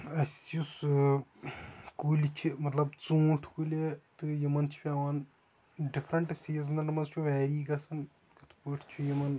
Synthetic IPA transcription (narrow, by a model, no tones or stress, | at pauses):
ɐsʲjus | kuːlʲit͡ʃʰimɐt̪lɐbt͡sũːʈʰkulʲet̪ɨjimɐnt͡ʃʰu̥pʲaːʋɐn | ɖifʰɾɐɳʈɨsiːznɐʈɐmɐnzt͡ʃʰuʋɛːɾiːɡɐsɐn | kɐt̪ʰpuːʈʰt͡ʃʰujimɐn